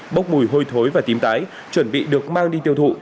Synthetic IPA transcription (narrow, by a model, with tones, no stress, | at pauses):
ɓə˦˥wk͡p̚mu˨˧˩jɦo˧jt̪ʰo˨˦jvaː˨˩t̪i˨˦mt̪aː˨˦j | t͡ɕwə˧˩nɓḭ˧˨ɗɨ˨˩ək̚maː˧ŋɗi˧t̪i˧əwt̪ʰṵ˧˨